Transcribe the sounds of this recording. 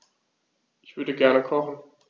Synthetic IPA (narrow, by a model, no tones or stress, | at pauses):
ʔɪçv̥ʏɐɾəɡɛɐnəkʰɔχn̩